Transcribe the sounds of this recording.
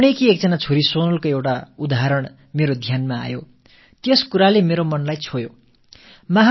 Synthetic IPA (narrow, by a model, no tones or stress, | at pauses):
uɽekiek̚d͡zʌnat͡sʰoɾisonʌlkoewʈaud̪aɦaɾʌɳ̃ | meɾod̪ʱjanmaa̰jo | t̪jʌskuɾalemeɾomʌnlajt͡sʰojo | mʌɦ